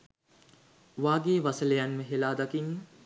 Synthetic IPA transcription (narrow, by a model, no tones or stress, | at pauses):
ʋaːɡeːʋasələjanməɦelaːd̪akinː